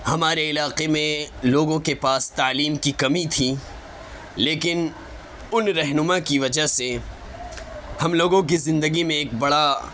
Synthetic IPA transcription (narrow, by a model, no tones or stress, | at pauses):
hɐmaːɾeɪlaːqemẽloːɡõkepaːst̪aːliːmkikɐmit̪ʰi | leːkɪn | ʊnɾɛɦnʊmakiʋɐd͡ʒase | hɐmloːɡõk̬izɪ̃nd̪əɡimẽeːk̚bɐɽa